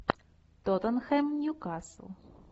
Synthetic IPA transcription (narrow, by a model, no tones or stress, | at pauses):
t̪ɔt̪ɔnxɛmnʲukɑsˠ